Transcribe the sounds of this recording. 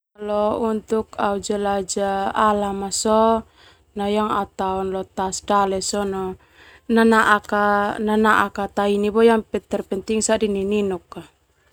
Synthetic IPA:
alɔunt̪ukaud͡ʒalad͡ʒaːlamasɔ | najaŋat̪aɔnlɔt̪asdalɛsɔnɔ | nanaʔakananaʔakat̪ainibɔjaŋpɛt̪ɛrpɛnt̪iŋsadinininukːa

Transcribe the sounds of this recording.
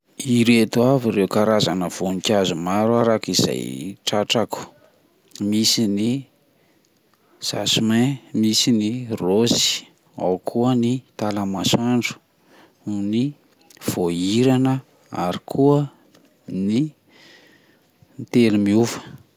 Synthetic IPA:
iɾet̪uaviɾewkaɾazanəv̥onikʲazumaɾwaɾakiza̰jʈ͡ʂaʈ͡ʂaku̥ | misini | sasumemisinirozi̥ | a̰wkʰuənit̪alamasaɳɖ͡ʐu̥ | ni | v̥oiɾanə | a̰ɾikʰuə | nni | nt̪elumiuvə̥

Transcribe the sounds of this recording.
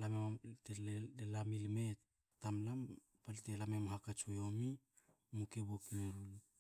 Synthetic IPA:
lameateleelamilmet | tamlam | paltelamemhakat͡ʃojomi | mukeβokmeɾul

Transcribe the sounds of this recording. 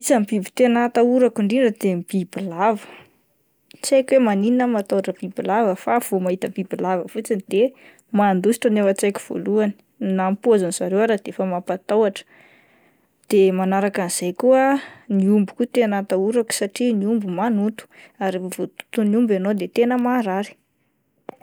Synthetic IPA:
izəmbibi̥t̪enat̪auɾakuɳɖ͡ʐiɳɖ͡ʐəd̪emb̥ib̥ilavə̥ | t͡sajkwemanininəmat̪awaʈ͡ʂəb̥ibilavəfav̥omaɦit̪əb̥ibilavəfut͡sinid̪̥e | mand̪usi̥ʈ͡ʂənewət͡sajku̥v̥o̰luani̥ | nampuazaniz̥aɾewaɾad̪̥efəmapat̪awaʈ͡ʂə̥ | d̪̥emanaɾakaniz̥ajkuəniumbukut̪eanat̪auɾaku̥saʈ͡ʂiniumbumanut̪u̥aɾevot̪u̥t̪uniumbanod̪et̪enəmaɾaɾi̥

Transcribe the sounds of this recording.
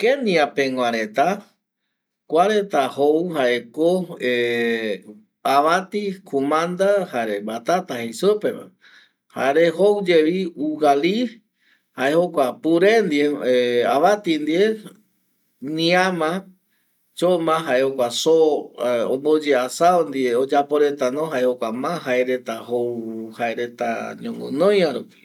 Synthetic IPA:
kenĩapẽŋʷaɾet̪a | kʷaɾet̪ahowhaʔekoe | aβat̪ikʰumãnd̪ahaɾembat̪at̪ahejsɨpema̰ | ha̰ɾehowd͡ʒeβiuɡali | haehokʷapuɾend̪ieeaβat̪ind̪ie | nĩamã | t͡ʃomãɦaehokʷasoõ̰mbod͡ʒeasaond̪ieod͡ʒapoɾe̞t̪anõɦaehokʷamãɦaeɾe̞t̪ahowhaeɾe̞t̪a̰ɲõŋɡɨ̰̃nõjaɾupi̥

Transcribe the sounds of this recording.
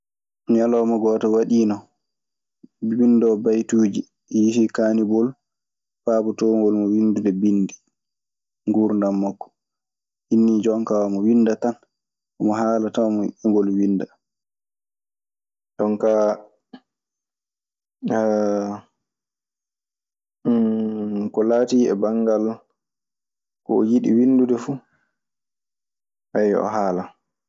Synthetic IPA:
mjalɔmɔɡɔːtɔwaɗiːnɔ | windɔbajtuːd͡ʒi | jihikaːnibɔl | faːbɔtoŋɡɔlmɔwindundɛbindi | ŋɡuɾndamːakːɔ̥ | hinːid͡ʒɔŋkawamɔwinːdatan | ɔmɔɦaːlatawmɔ̰ʔiŋɡɔlwinːda | d͡ʒɔŋka | kɔlaːtiːɛ̰baŋɡal | kɔ̰ɔjiɗiwindudɛfu | ʔajɔ̰ɦaːla

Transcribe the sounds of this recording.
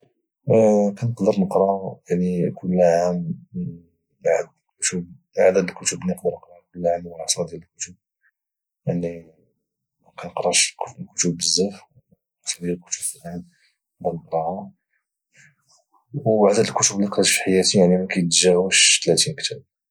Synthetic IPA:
kænəqd̪əɾnəqɾˤɑjaʕnikʰʊlːaʕæm | ʕd̪ | kʊt̪ub̚ | ʕd̪æd̪əlkʊt̪əblinəqd̪əɾˤnəqɾˤɑkʊlːʕamwlʕɑsˤɑd̪jæləlkʊt̪ub̚ | jaʕni | mækænəqɾˤɑʃkkʊt̪ubːəzːæf | sˤɑd̪jæləlkʊ̥t̪ubfəlæm | qd̪əɾˤnəqɾˤɑha | wbaʕd̪æd̪əlkʊt̪ublːiqɾfi̥ħajæt̪ijaʕnimækæjt̪ʒæwəʃt̪læt̪inkt̪æb̚

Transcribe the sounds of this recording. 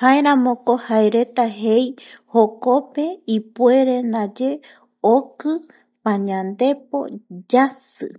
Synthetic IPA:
haeɾãmõkohaeɾe̞t̪aɦejhokope̞ipue̞ɾe̞nad͡ʒe̞ | okɨ | pãɲãnd̪e̞p̚o̞̰d͡ʒasɨ̰

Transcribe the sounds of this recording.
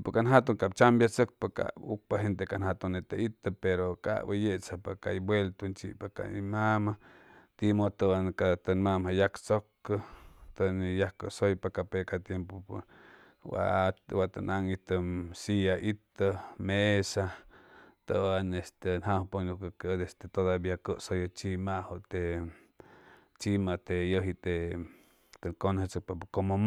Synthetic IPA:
pokanɦat̪oŋkap̚t͡ʃambjat͡sək̚paka̰uk̚paɦent̪ekanhat̪oŋnːet̪ait̪əpeɾoka̰ʔbəjeʔt͡sapaka̰ibwelt̪unt͡ʃḭʔpaka̰imamat̪imot̪əankat̪ənmamhajakt͡sokːət̪ənijahkəsojpakapekat̪jempop | wa̰waʔt̪anʔaŋit̪əmsiaʔit̪əmesa | t̪əanest̪enhahponukəkːd̪est̪et̪od̪abjakəʔsojot͡ʃimahoʔt̪e | t͡ʃimat̪ejəɦit̪e | t̪ekonət͡sək̚pakomom

